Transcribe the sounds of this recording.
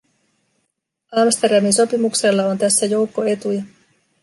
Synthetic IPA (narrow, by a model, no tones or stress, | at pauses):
ɑmst̪e̞rdɑminso̞pimukse̞lːɑo̞nt̪æsːæjo̞wkːo̞e̞t̪ujɑ